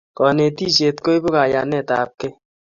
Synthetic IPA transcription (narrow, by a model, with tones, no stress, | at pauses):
kɔ˨ne˨ti˦se˨tko˦i˦bo˦ka˨ja˨nɛ˦˨ta̰ː˨p̚ke˦